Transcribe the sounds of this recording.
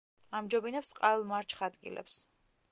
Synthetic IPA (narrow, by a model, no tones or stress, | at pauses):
amd͡ʒɔbinɛpsqʼalˠmaɾt͡ʃʰχad̪ɡḭlɛ̰ps